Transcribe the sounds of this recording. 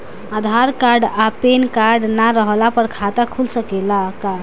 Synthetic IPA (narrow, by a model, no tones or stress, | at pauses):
ad̪ʱaɾkaɾɖapenkaɾɖnaɾəɦlapəɾkʰat̪akʰulsəkelaka